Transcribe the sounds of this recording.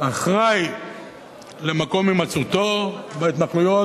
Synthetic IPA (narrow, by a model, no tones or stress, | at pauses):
aχʁaj | le̞mako̞mimat͡sut̪obeit̪naklujo